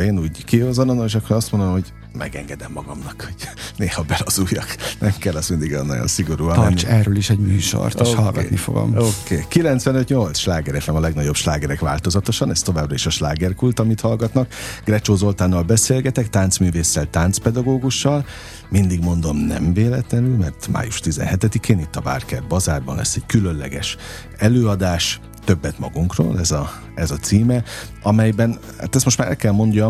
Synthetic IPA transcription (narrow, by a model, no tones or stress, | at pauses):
eːnuːɟkihozononoeʃɒkːoɾɒst̪mo̞nd̪omhoɟ | mɛ̰ɡɛ̰ŋɡɛd̪ɛmːɒɡɒmnɒkho̞ɟ̥neːhɒbɛlɒzuːjɒknɛmkɛlːɛsmind̪iɡɒjo̰nɒ̰jo̰nsiɡo̞ɾuːɒɛnːt͡ʃɛrøliʃɛɟmyːʃo̰rt̪ːʃhɒlɡɒ̰nḭfo̰ɡo̰mokeːkilɛnt̪sʋɛnøt̪ɲo̞lt̪sʃlaːɡɛɾɛk̪ɛmɒlɛɡnɒɟo̞bʃlaːɡɛɾɛkʋa̰ːlt̪o̞zɒt̪o̞ʃɒnɛst̪o̞vaːbrɒiʃɒʃlaːɡɛrkult̪ɒmit̪hɒlɡɒt̪nɒkɡ̥rɛt͡ʃoːzo̞lt̪aːnːɒlbɛseːlɡɛt̪ɛkt̪aːnt̪smyːveːsːɛlt̪aːnt̪spɛd̪ɒɡoːɡuʃːɒl | mind̪iɡmo̞n̪d̪o̞mnɛ̰mveːlɛt̪lɛnylmɛrt̪ma̰ːjuʃt̪izɛ̰nɦɛt̪ɛd̪ikeːnit̪ːɒba̰ːrkɛrbɒzaːrbɒ̰nlɛ̰sːɛɟkylø̞nlɛ̰ɡɛʃ | ɛløːɒd̪aːʃ | t̪ø̞bːɛt̪mɒ̰ɡuŋkro̰ːlɛzɒ | ɛzɒt̪siːmɛ | ɒmɛjbɛn | ha̰ːt̪ɛst̪mo̞ʃtmaːɾɛ̰lkɛlmo̞nɟɒ